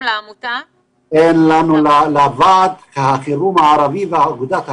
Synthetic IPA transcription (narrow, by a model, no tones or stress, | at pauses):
ʔenlanullavad̪kahaχiɾumaʕaɾaviveʕaɡud̪at̪